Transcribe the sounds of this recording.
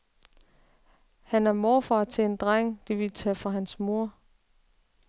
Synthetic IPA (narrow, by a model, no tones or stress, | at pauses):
hænæɐmɒːfɑ̈ːt͡sʰe̝end̥ʁaŋ̰d̥iʋilt͡sʰɛfʁɑ̈ɦænsmo̝ɐ